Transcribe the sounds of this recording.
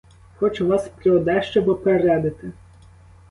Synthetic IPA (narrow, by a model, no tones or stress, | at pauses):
xɔt͡ʃʊʋɑspɾɪɔd̪ɛʃt͡ʃɛbɔpeɾɛd̪ɪt̪ɪ